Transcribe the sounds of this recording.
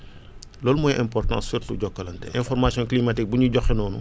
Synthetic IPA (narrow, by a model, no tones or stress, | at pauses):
lɔːlmɔjʔɛ̃mpɔrtɑ̰̃ːsfirtuɟɔkːɐlɐntɛ̰ʔɛ̃nfɔrmasjɔ̃ŋklimatik̚buɲuɟɔxɛnɔːnṵ